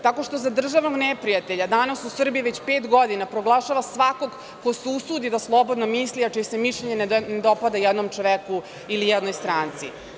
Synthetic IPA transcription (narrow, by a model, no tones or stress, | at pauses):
t̪ako̞ʃt̪o̞zad̪r̩ʒaʋnoɡnepɾijat̪e̞ʎad̪anasusr̩bijiʋet͡ɕpeːt̪ɡo̞d̪inapɾo̞ɡlˠaʃaʋasʋako̞ɡ | koseusuːd̪id̪aslˠo̞bo̞d̪nomisliat͡ʃisemiʃʎeɲenened̪o̞pad̪ajɛd̪nomt͡ʂoʋeku | ilijɛd̪nojst̪ɾaːnt̪sḭ